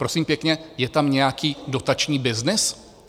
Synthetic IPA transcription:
pɾo̞siːmpjɛkɲɛjɛt̪amɲɛjakiːdo̞t̪at͡ʃɲiːbɪznɪs

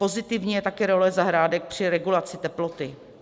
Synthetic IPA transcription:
po̞zɪt̪ɪvɲiːjɛt̪akɛɾolɛzaɦɾaːdɛk̚pr̝̥ɪɾɛɡulat͡sɪt̪ɛplot̪ɪ

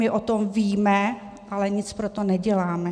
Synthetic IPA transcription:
mɪʔot̪omviːmɛ | ʔalɛɲɪt͡spɾot̪onɛɟɛlaːmɛ

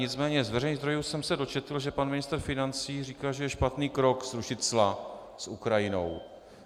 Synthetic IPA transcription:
ɲɪt͡smɛːɲɛzvɛrɛjnizd̪ɾo̞juːsɛmsɛdo̞t͡ʃɛt̪l̩ʒɛpanmɪnɪst̪ɾ̩fɪnant͡siːriːkaːʒɛjɛʃpat̪niːkɾo̞kzɾuʃɪt̪zla | sʔukɾajɪno̞̰w

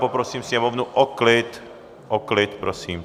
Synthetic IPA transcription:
popɾosiːmfsɲɛmovnuʔɔklɪt̪ | ʔɔklɪt̪pɾosiːm

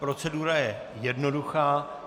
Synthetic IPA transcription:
pɾo̞t͡sɛduɾajɛ | jɛdno̞duxaː

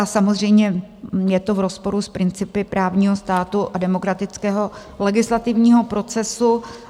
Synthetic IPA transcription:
asamozr̝ɛjmɲɛjɛt̪o̞vɾo̞spo̞ɾuspɾɪnt͡sɪpɪpɾʔaːvɲiːɦo̞st̪aːt̪uʔadɛmo̞kɾat̪ɪt͡skɛːɦo̞ | lɛɡɪslat̪ɪvɲiːɦo̞pɾo̞t͡sɛsu

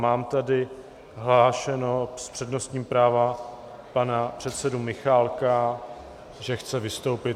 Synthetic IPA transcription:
maːmt̪adɪ | ɦlaːʃɛnospr̥ɛdno̞st̪ɲiːmpɾaːva | panapr̥ɛt̪sɛdumɪxaːlka | ʒɛxt͡sɛvɪst̪o̞wpɪt̪

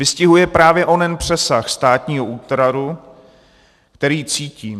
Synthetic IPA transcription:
vɪscɪɦujɛpɾaːvjɛʔonɛnpr̝̥ɛsaxst̪aːt̪ɲiːɦouːt̪ɾaɾu | kt̪ɛɾiːt͡siːciː

